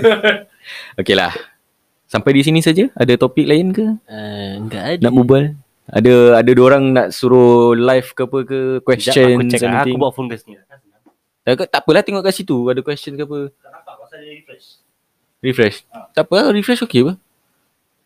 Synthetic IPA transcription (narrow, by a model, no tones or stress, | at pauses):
okela̰h | sampajdis̬inisad͡ʒəadat̪opik̚laɪnkə | ɡanaʔbubal | a̰daadadooɾaŋnaʔsuɾolajfkapəkəkwɛsat͡ʃənət͡ʃɛksamak̪ɪubaʔfɔnkəsn | t̪akat̪aʔpəlaht̪ɛŋɔʔkaʔsit̪uadakwɛst͡ʃənkəapə | rifɾɛʃt̪apəlaɾifɾɛʃokebə